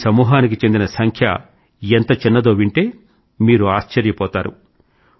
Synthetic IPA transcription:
sɐmuːɦaːnik̬it͡ʃe̞nd̪inɐsɐŋkʰjɐ̰ | ent̪ɐt͡ʃinːɐd̪o̞ːʋiɳʈe̞ː | miːɾuaːʃt͡ʃɐɾjɐpɔːt̪aːɾṵ

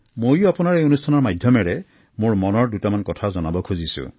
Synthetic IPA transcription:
mojʊapʊnaɹejonustʰanɔɹmadʱjɔmɛɹɛ | moɹmɔnɔɹdutamankɔtʰazɔnabɔkʰuzisṵ

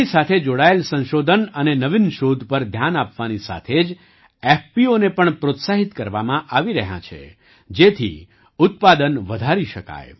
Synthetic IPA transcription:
isat̪ʰed͡ʒoɽaelsə̃nʃod̪ʱənənenəʋinʃod̪ʱpəɾd̪ʱjanapʋanisa̰t̪ʰed͡ʒ | efpionepəɳpɾot̪saɦit̪kəɾʋamãʔaʋiɾəɦjã̰t͡ʃʰḛ | d͡ʒet̪ʰḭ | ʊt̪̚pad̪ənʋəd̪ʱaɾiʃəka̰j

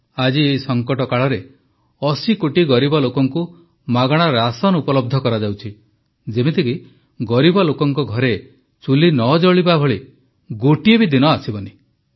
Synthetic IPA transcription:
ad͡ʒieisɔŋkɔʈɔkaɭɔɾe | ɔsikoʈiɡɔɾibɔlokɔŋku | maɡɔɽ̃aɾasɔnupɔlɔb̚d̪ʱɔkɔɾad͡ʒawt͡ʃʰi | d͡ʒebet̪ʰiki | ɡɔɾibɔlokɔŋkɔɡʱɔɾe | t͡ʃulinɔd͡ʒɔɭibabʱɔɭi | ɡoʈiebid̪inɔasibɔni

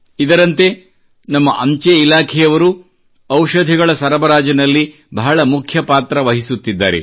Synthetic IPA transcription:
id̪ɐɾɐnt̪e̞ | nɐmːɐʔɐɲt͡ʃeilaːkʰɛjɐʋɐɾu | ɐwʃɐd̪ʱiɡɐɭɐsɐɾɐbɐɾaːd͡ʒɐnɐlːi | bʱɐɦɐɭɐmukʰjɐpaːt̪ɾɐʋɐɦisut̪ːid̪ːa̰ːɾḛ

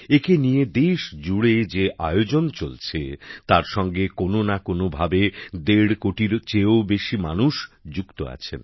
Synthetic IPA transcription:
ekenijed̪eʃd͡ʑuɽed͡ʑeʔa̰eod͡ʑont͡ɕolt͡ɕʰet̪aɾʃɔŋɡekononakonobʱabed̪eɽkoʈiɾt͡ɕeobeʃima̰nuʃd͡ʑukt̪o̰a̰t͡ɕʰḛn

